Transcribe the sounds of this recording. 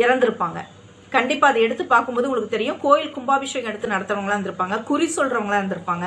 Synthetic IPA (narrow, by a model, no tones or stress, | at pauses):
ɪɾɐnd̪ɪɾɯpːaːŋɡɐ̰ | kɐɳɖɪpːaːɐðɐɛɽɯt̪ːɯpːaːɾkɯmpoːðɯʊŋɡɐɭkːɯt̪ɛɾɪjɯ̃koːjɪlkʊmbaːʋɪʂɐjɐɐŋɛɽɯt̪ːɯnɐɽɐt̪ːɾɐʋɐŋɡɐɭaːɾɪnd̪ɯɾɯpːaːŋɡɐkʊɾisɔlrɾɐʋɐŋɐɭãːɪɾɐnd̪ɯɾɯpːaːŋɡɐ